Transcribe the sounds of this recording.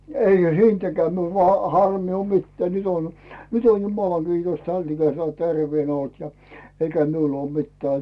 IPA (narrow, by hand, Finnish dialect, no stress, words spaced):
eih̆æ siːntækĕæː miul ʋɑː hɑrmiˑ o mitːæː nyt on nyt on jumɑlɑŋ ɡ̊iːtos tæl ikæsel terʋeːnæ olt jɑ eikæ miul oː mitːæː